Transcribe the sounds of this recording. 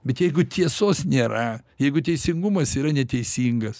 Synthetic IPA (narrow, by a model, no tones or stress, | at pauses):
bʲɛt̪jɛɪɡʊt̪ʲʰiɛsoːsnʲeːɾɐjɛɪɡʊt̪ʲɛɪsʲɪŋɡʊmɐsiːɾɐnʲɛt̪ʲɛɪsʲiːŋɡɐs